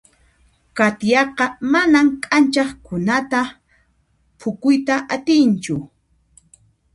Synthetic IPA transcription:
kat̪jɑqɑmanamkʼant͡ʃɑχkʊnat̪a | pʰʊkʊjt̪aʔat̪ɪnt͡ʃʊ

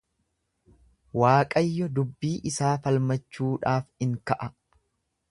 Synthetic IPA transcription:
waːkʼɐjːɔd̪ʊbːiːʔɪsaːfɐlmɐt͡ʃːuːᶑaːfɪŋkɐʔɐ

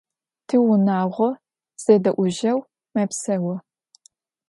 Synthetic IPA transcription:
tʰiːwʊnaːʁʷɔ | z̥ɐdɐʔʷʊʒɐw | mɐpsɐwɐ

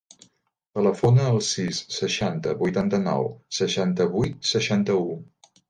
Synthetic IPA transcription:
t̪ələfonəːlˠsisːəʃant̪əβujt̪ant̪ənɔ̰wsəʃant̪əβujt̪̚səʃant̪əu

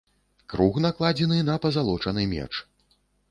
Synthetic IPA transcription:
kɾuxnaklˠad͡zʲɛnɨnɐpɐzalˠɔt͡ʂɐnɨjmʲɛ̰t͡ʂ

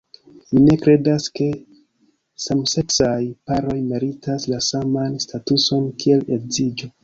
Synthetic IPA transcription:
mine̞kɾe̞daske̞ | samse̞ksajpaɾo̞jmeɾitaslasamanstatuso̞nkʰie̞le̞kzid͡ʒo

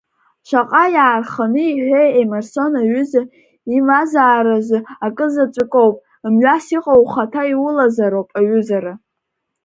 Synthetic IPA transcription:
ʃʷaqʼajaːrχanɨiħʷᶣejemarso̞naɥʊza | imazaːɾazʷɨakʼɨzat͡ʃʷʼɨkʼowpʼ | mɥʷasiqʼowχatʰaiwʊlazaɾowpʼaɥʊzaɾa

